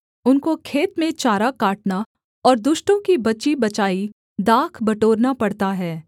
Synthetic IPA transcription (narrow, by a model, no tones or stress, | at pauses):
ʊnkokʰeːt̪mẽt͡ʃaːɾakaːʈna | ɔːɾd̪ʊʃʈõkibɐt͡ʃibɐt͡ʃaːi | d̪aːkʰbɐʈoːɾnapɐɽt̪aɦɛː